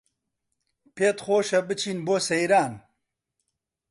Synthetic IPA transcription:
peːt̪xoːʃɐbɨt͡ʃʰiːnboːsɛjɾaːn

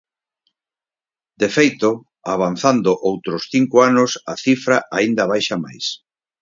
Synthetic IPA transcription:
d̪̥efejt̪ʊ | aβ̞an̟θand̪ʊʔowt̪ɾʊsθiŋkʊanʊsaθifɾaʔaind̪ɐβ̞ajʃama̰js

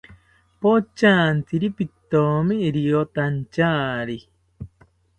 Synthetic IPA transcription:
pot͡ʃaːnt͡siɾipit̪omiːɾiot̪ant͡ʃaːɾi

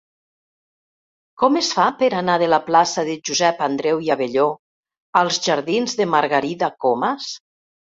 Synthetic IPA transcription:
kɔmesfapəɾanaðəlaplasaðəʒuzɛpand̪ɾɛwiaβeʎo | əlˠzʒaɾðinzðəmaɾɣaɾiðakomas

